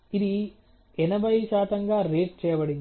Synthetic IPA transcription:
ɪði | ɛnɐbɐjsaːt̪ɐŋɡaːɾeːʈ̚t͡ʃɛjɐpɐɽɯŋ

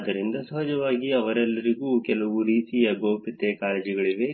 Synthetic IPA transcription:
d̪ɐɾind̪ɐsɐɦɐd͡ʒɐʋaːɡiɐʋɐɾɛlːɐɾiɡuːkɛlɐʋuɾiːsiɐboːpit̪ːekaːleːd͡ʒiɡɐɭiʋe̞

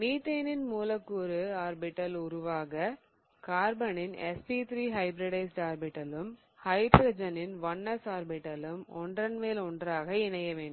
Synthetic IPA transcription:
niːt̪ːeːnɪnmuːlɐkːɯɔɾɯaːɾbɪʈːɐlʊɾʊʋaːɣɐ | kaːɾbɐnɪnɛ̰spiːt̪ɾiːɦɐɪbɾɐɽɐɪsʈaːɾbɪʈːɐlɯm | hɐɪɖɾɐd͡ʒɐnɪnʋɐɳːɐsaːɾbɪʈːɐlɯmɔ̰ɳɖrɐnmeːlɔɳdraːɣɐɪnɐjɐʋeːɳɖɯ

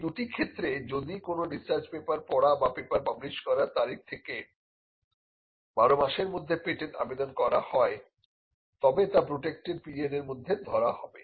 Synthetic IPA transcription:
d̪uʈikʰet̪ːɾed͡ʑod̪ikonoɖist͡ɕaɾd͡ʑpepaɾpɔɽabapepaɾpabliʃkɔɾaɾt̪aɾik̚ʰt̪ʰeke | baɾomaʃeɾmod̪ʱːepeʈeʈa̰bed̪onkɔɾa̰hɔe | t̪ɔbet̪apɾoʈek̚ʈeɖpieneɾmod̪ʱːed̪ʱɔɾahɔbe

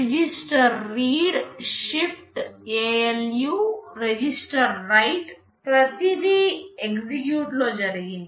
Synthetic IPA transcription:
d͡ʒisʈəɾːiːɽʃifʈeeljuɾed͡ʒisʈəɾːajʈ | pɾɐt̪id̪ieksikjuːʈlod͡ʒɐɾɡin

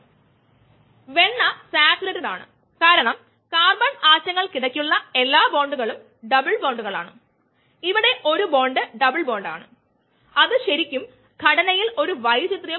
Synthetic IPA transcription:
ʋe̞ɳːɐsaːtuɾɐɾɐnaːɳɨ̰ | kaːɾɐɳɐm | kaːrbɐɳaːt͡ɕːɐŋːɐɭkiɽɐkʲːuɭːɐe̞lːaːbo̞ːɳɖuɣɐɭum | ɖɐbɨɭboːɳɖuɣɐɭa̰ːɳɨ̰ | iʋiɽe̞ʔo̞ɾubo̞ːɳɖɨɖɐbɨɭbo̞ːɳɖa̰ːɳɨ | ɐðɨɕɐɾikʲːum | ɡʱɐɽɐnɐjilo̞ɾuʋɐjt͡ɕit̪rjɐ

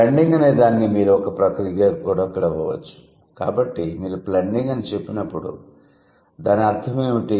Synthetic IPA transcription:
ɐɳɖiŋɡɐne̞ːd̪aːnikimiːɾuɔkɐpɾɐkɾiɡaːkikuːɽaːɔkːɐɽɐʋɔːʋɐ̰t͡ʃːu̥ | ka̰ːbɐʈːimiːɾuplɐɳɖiŋɡɐnit͡ʃe̞pːinɐpːuɽṵ | d̪aːniɐɾt̪ʰɐmeːuʈi

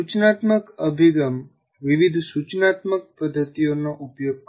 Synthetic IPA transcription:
ut͡ʃnat̪məkəbʱiɡəm | ʋiʋid̪ʱsut͡ʃnat̪mək̚pəd̪ʱːət̪ionoʔupjoɡ̚k

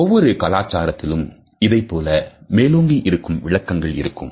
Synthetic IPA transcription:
ɔʋːɔɾɯkɐlaːt͡ʃːaːɾɐt̪ːɪlɯm | ɪðɐɪpːoːlɐmeːloːŋɡiʔɪɾɯkːɯmʋɪɭɐkːɐŋɡɐɭɪ̰ɾɯkːɯ̰m

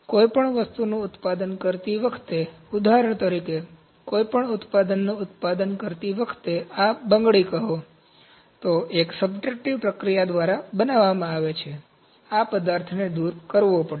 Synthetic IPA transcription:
koipəɳʋəst̪unũʊt̪pad̪ənkəɾt̪iʋəkʰt̪e | ud̪aɾəɳ̃t̪əɾike | koipəɳʊt̪pad̪ənːũʊt̪pad̪ənkəɾt̪iʋəkʰt̪eabəŋɡɭikəɦo | t̪oʔeksəbd͡ʒek̚ʈiʋpɾəkɾijad̪ʋaɾabənaʋːamãaʋet͡ʃʰe | apəd̪aɾt̪ʰned̪uɾkəɾʋopəɽe

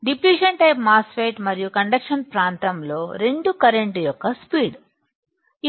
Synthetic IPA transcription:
ɖipliːʃɐnʈɐjpmaːsfeːʈmɐɾijukɐɳɖɐkʂɐnpɾaːnt̪ɐmlo̞ːɾe̞ɳɖukɐɾeɳʈjɔkːɐspiːɽ | i

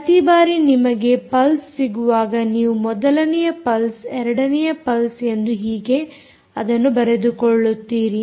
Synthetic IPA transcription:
pɐt̪ibaːɾinimɐɡe̞pɐlsːiɡuʋaːɡɐniːʋumɔd̪ɐlɐnɛjɐpɐlsɛɾɐɽɐnɛjɐpɐlse̞nd̪uɦiːɡe̞ | ɐd̪ɐnːubɐɾe̞d̪ukɔɭːut̪ːiːɾi

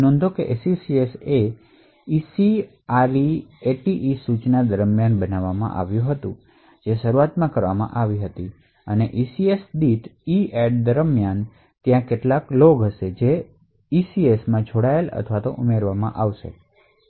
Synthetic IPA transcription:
nɔ̃nd̪ʱokeʔesisiese | isi | aɾieʈiʔisut͡ʃnad̪əɾmjanbənaʋamã̰ʔa̰ʋjũɦət̪ũ | d͡ʒeʃəɾuat̪mãkəɾʋamã̰ʔaʋiɦət̪i | əneʔisiesdiʈieɖd̪əɾmjan | t̪jãkeʈlakloɡɦəʃed͡ʒe | isiesmãd͡ʒʱoɽaelə̰t̪ʰʋat̪o̰ʔumeɾʋamã̰ʔaʋʃḛ

